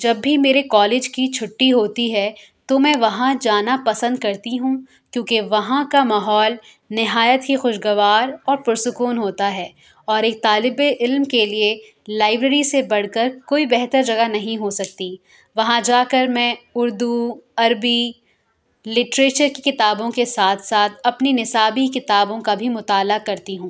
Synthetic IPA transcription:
d͡ʒɐbːimeːɾekɔːleːd͡ʒkit͡ʃʰʊʈːiɦoːt̪iɦɛ | t̪omɛ̃ːʋɐɦãd͡ʒaːnapɐsə̃nd̪̚kɐɾt̪iɦũ | kjõːkeʋɐɦãkamaːɦɔːl | nɪɦaːjət̪ɦixʊʃɡɐʋaːɾɔːɾpʊɾsʊkuːnɦoːt̪aɦɛː | ɔːɾeːk̚t̪aːlɪbeʔɪlmkelie | laːɪbɾəɾisebɐɽ̤kəɾkoːibɛɦt̪əɾd͡ʒɐɡanɐɦĩɦosɐk̚t̪i | ʋɐɦãd͡ʒaːkɐɾmɛ̃ːʊɾd̪uɐɾbi | lɪʈɾeːt͡ʃəɾkikɪt̪aːbõkesaːt̪ʰsaːt̪ʰɐpninɪsaːbikɪt̪aːbõkabʱimʊt̪aːlakɐɾt̪iɦũː

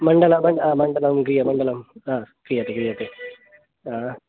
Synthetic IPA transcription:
mɐɳɖɐlamɐɳɖaːmɐɳɖɐlɐmkɾijɐmɐɳɖɐlɐmaːkɾijat̪ːekɾijat̪ːe | aː

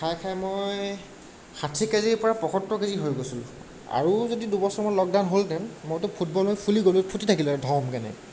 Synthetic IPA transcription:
kʰajkʰajmojj | xʰatʰikazipɔɹapɔxʰɔtːɔkeziɦojɡosul | a̰ɹuzodidubɔsɔɹmɔjlɔk̚dawnɦoltɛnmojtʊpʰut̚bɔlɦojpʰuliɡolupʰutitʰakildʱɔmkanɛ̰

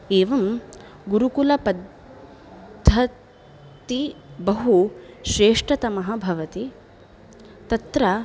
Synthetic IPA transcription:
eːʋɐm | ɡuɾukulɐpɐd̪ | ɐ | t̪ibɐɦuʃɾeːʂʈɐt̪ɐmɐɦɐ̆bʱɐʋɐt̪i | t̪ɐt̪ɾɐ

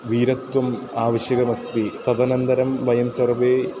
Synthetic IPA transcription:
ʋiːɾɐt̪wɐm | aːʋɐɕjɐɣɐmɐst̪it̪ɐðɐnɐnd̪ɐɾɐmʋɐjɐmsɐrbeː

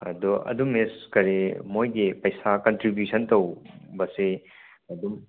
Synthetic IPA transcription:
ɐ̰doʔɐ̰dumeskɐɾemojɡipɐjsakɐntɾibjusʰɐntɐwbɐse | ɐdum

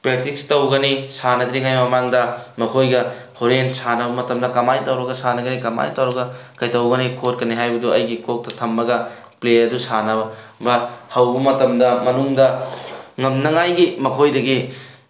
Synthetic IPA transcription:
pɾek̚tik̚stɐwɡɐnisanɐd̪ɾiŋajmɐmaŋdɐmɐkʰojɡɐ | hoɾensanɐbɐmɐtɐmdɐkɐmajtɐwɾɐɡɐsanɐɡɐnikɐma̰jtɐwɾɐɡɐkɐjtɐwɡɐnikʰot̚kɐniɦajbɐduɐ̰jɡikok̚tɐtʰɐmːɐɡɐ | pleɐdusanɐ | bɐhɐwbɐmɐtɐmdɐmɐnuŋdɐŋɐmnɐŋajɡimɐkʰojdɐɡi

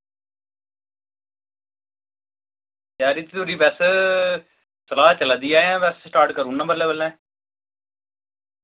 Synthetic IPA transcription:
tjaːɾit̪it̪uɾiːbɛːs | səlaːt͡ʃəlad̪iːaːãːbɛːssʈaːɾʈkəɾuːnãːbəlːɛːbəlːɛ̃ː

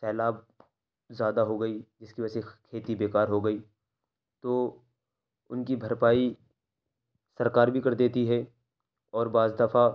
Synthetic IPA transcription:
sɛːlaːb̚ | zjaːd̪aɦoɡɐid͡ʒɪskiəsekʰeːt̪ibeːkaːɾɦoɡɐiː | t̪oː | ʊnkibʱɐɾpaːi | sɐɾkaːɾbʱikɐɾd̪eːt̪iɦɛ | ɔːɾbaːzd̪ɐfa

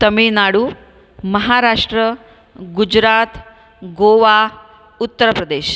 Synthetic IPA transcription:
t̪əminaɽuː | məɦaɾaʂʈɾə | ɡud͡ʑɾat̪ | ɡoʋa | ut̪ːəɾəpɾəd̪eːɕ

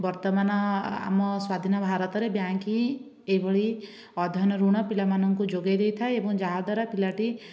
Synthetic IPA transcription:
bɔɾt̪ɔmanɔa̰mɔswad̪ʱinɔbʱaɾɔt̪ɔɾebjaŋki | ejbʱɔɭi | ɔd̪ʱɔnɔɾuɽ̃ɔpilamanɔŋkud͡ʒoɡajd̪ejt̪ʰaeebɔŋd͡ʒaɦad̪aɾapilaʈi

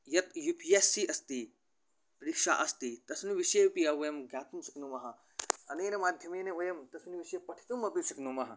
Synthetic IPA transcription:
jɐt̪jupʰiesːiʔɐst̪i | pɐɾikʂa̰ːʔɐst̪it̪ɐsniʋiʃepijɐʋɐjɐmɡʲjaːt̪umsɐ̥knumɐɦɐ | ɐneːnɐmaːd̪ʱjɐmineojɐmt̪ɐsniʋiʃepɐʈʰi̥t̪umɐpisɐknumɐɦɐ

